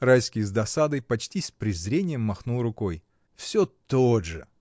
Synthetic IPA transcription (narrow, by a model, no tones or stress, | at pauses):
rajskʲɪjzd̪ɐsad̪ɐjpɐt͡ɕtʲispɾʲɪzɾʲenʲɪjəmːɐxnulˠrʊkoj | fsʲɵt̪oʐɨ